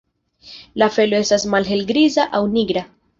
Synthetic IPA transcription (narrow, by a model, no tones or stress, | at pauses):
lafe̞loe̞stasmalɦe̞lɡɾizaʔawniɡɾa